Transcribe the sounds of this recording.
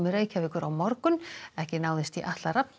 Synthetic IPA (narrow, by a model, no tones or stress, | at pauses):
mɪreːjcavɪkʏɾawmɔɾkʏnɛhcɪnaːwðɪst̪iʔaht̪laɾap̚n